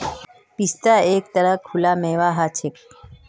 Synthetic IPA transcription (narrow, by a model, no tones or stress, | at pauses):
pist̪aek̚t̪əɾəkʰːulameːʋaɦat͡ʃʰe